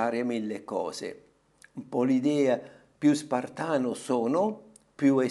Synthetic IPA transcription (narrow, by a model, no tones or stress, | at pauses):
aːɾɪamilːekːɔ̰ːsḛ | mpɔlid̪ɛːa | pjuspart̪aːnʊsɔːnʊ | pjue